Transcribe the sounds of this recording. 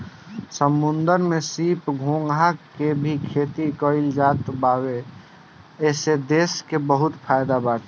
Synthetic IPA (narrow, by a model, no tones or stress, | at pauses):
səmːʊnd̪əɾmẽsiːpɡʱõŋɡʱɦakebʱikʰeːt̪ikəɪld͡ʒaːt̪baːwe | ɛːsed̪eːskebəɦʊt̪pʰajd̪abaʈ̪